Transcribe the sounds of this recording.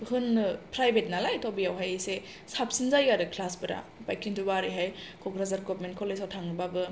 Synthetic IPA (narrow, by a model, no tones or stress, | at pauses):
hɯnpɾajbʱet̚nalajtʰobijawɦajese | sap̚sinzajɡadɯkʰlasbɯɾa̰pajkʰintubaɾijɦajkʰɔɡɾazaɾɡopment̚kʰɔlesawtʰaŋɾɯbabɯ